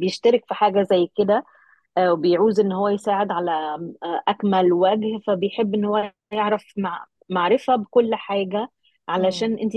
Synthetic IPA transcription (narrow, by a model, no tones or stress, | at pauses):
bejeʃt̪ɑɾɪkfiħaːɡæzæjːked̪æ | webejʕuːzʔenːhowːæjsaːʕed̪ʕalæʔækmælwæɡhfæbejħebːʔenːhowːæ | jeʕɾɑfma | maʕɾɪfæbekolːħaːɡæ | ʕalæʃæːnʔent̪i